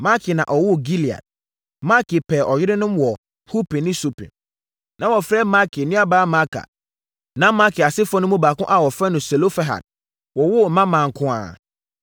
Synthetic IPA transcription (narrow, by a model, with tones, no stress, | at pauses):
ma˦kʰɪ˨nã̰˨ʔɔ˨wʊ˦ɡi˦li˨a̰˨d̚ | ma˦kʰɪ˨pʰɛ˨ʔɔ˨jɪ˦ɾɪ˦nʊ̃˦mwɔ˨ | hu˦pʰe˨nɪ̃˦su˦pʰɛ̰̃˨ | nʔã˨wɔ˨fɾɛː˦ma˦kʰɪ˨nɪ̃˦a˨baː˦mã˦kʰa̰˨ | nã˦ma˦kʰɪ˨a˨sɪ˦fɔ˦nʊ̃˦mũ˦baː˨kʊ̰̃˦ʔa˨wɔ˨fɾɛ˦nʊ̃˨sɛ˨lo˦fɛ˦ɦa̰˨d̚ | wɔ˨wʊ˦˨mã˦mã˨ŋ̩˨kʰʊ̃˦a̰ː˨